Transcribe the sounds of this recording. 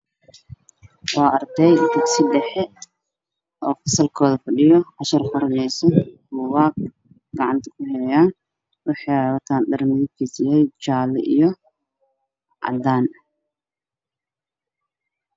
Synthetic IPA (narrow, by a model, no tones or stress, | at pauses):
wɑːɐrd̪ɛjd̪ʊɡsɪɖɛħɛ | ʔɔːfɐsɐlkʰɔːðɐfɐɖɪjɔħɑʃɐrfʊɾnɛjsɛbʊwaːɡ | ɡ̥ɑʕɑnt̪ʰɐ̥kʰʊhɛljaːn | wɑħɑjɑwɐt̪ʰaːndɐrmɪðɪbkʰisɪɛjt͡ʃaːlɛ̰ʔijɔ | ʕɑ̰d̪aːn